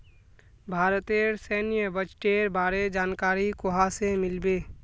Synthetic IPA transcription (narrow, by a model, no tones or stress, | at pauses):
bʱaːɾət̪eɾseːnɪjəbət͡ʃʈeːɾbaːɾed͡ʒaːnkaːɾikʊɦasemɪlbeː